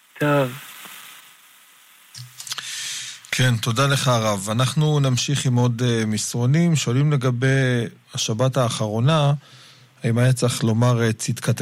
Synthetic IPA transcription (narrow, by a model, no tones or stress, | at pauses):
t̪ʰov | kʰent̪o̞dale̞χaʁavanaχnunamʃiχimodemisʁo̞nimʃoalimle̞ɡabe̞j | aʃabathaːχaʁo̞na | haimajet͡saχlo̞maʁet͡sit̪kʰat